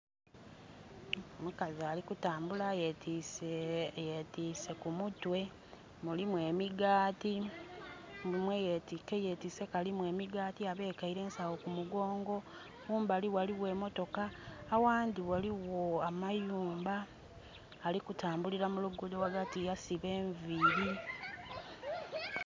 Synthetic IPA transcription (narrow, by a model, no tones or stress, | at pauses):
mukazialikutaːmbulajetʰisejetiːse̞kumutwe̞ | mulimwe̞ːmiɡaːti | mulimwejetikejetise̞kalimwe̞ːmiɡaːtiaβe̞ːkaiɾe̞ːnsawokumuɡo̞ːŋɡo̞ | juːmbaliwaliwe̞ːmo̞to̞kaːwaːndiwaliwo̞amajuːmbaː | likutaːmbuliɾamuluɡudowaɡatijasiβe̞ːɱviɾi